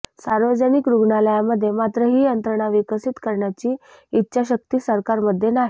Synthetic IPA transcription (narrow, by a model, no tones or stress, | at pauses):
saɾʋəd͡zənikɾuɡɳaləjaməd̪ʱːjemat̪ɾəɦiːənt̪ɾəɳaʋikəsit̪kəɾɳjat͡ɕiː | tːɕaɕək̚t̪iːsəɾkaɾməd̪ʱːjenaɦi